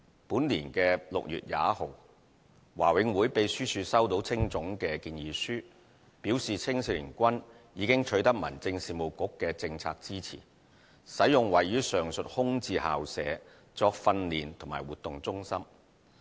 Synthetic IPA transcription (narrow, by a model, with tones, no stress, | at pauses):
puː˨˥nliː˨˩nkɛː˧lʊ̰˨k̚jy̰ː˨t̚ja̰ː˨˧˥ho˨w | waː˨˩wɪ˨˧ŋwuː˨˥jpe˨˧jsyː˥t͡ʃʰyː˧sɐ˥wt̪o˨˧˥wt͡sʰɪ˥ŋt͡sʊ˨˥ŋkɛː˧kiː˧njiː˨˧syː˥ | piː˨˥wsiː˨t͡sʰɪ˥ŋsi˧lḭː˨˩nkʷɐ˥n | jiː˨˧kɪ˥ŋt͡ʃʰɵ˨˥jt̪ɐ˥k̚mɐ̰˨˩nt͡sɪ˧ŋsiː˨˧mo˨wkʊ˨˥kːɛː˧t͡sɪ˧ŋt͡sʰa̰ː˧k̚t͡siː˥t͡sʰḭː˨˩ | sɐ˨˥jʊ˨ŋwɐ˨jɥyː˨˥sœː˨˩ŋsɵ˨t̚hʊ˥ŋt͡siː˧ha̰ː˨wsɛː˨˥ | t͡sɔː˧k̚fɐ˧nliː˨nt̪ʰŋmaː˨˩wuː˨t̪ːʊ˨ŋt͡sʊ˥ŋsɐ˥m